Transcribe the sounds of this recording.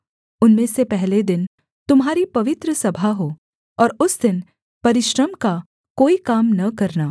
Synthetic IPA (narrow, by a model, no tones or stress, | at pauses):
ʊnmẽsepɛɦled̪ɪn | t̪ʊmɦaːɾipɐʋɪt̪ɾəsɐbʱaɦoː | ɔːɾʊsd̪ɪn | pɐɾɪʃɾəmka | koːikaːmnɐkɐɾnaː